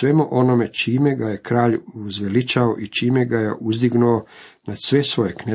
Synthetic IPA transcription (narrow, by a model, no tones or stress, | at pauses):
ʋe̞muʔo̞no̞me̞t͡ʃiːme̞ɡaje̞kɾaːʎuzʋelit͡ʃao̰ʔit͡ʃiːmeɡajeʔuzd̪iɡnuonad̪̥sʋe̞sʋo̞jekne